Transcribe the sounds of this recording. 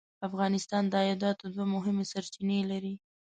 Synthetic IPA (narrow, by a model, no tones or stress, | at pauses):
afɣɑnɪst̪ɑnd̪əajɑd̪ɑt̪od̪wamʊɦɪmesaɾt͡ʃinelaɾi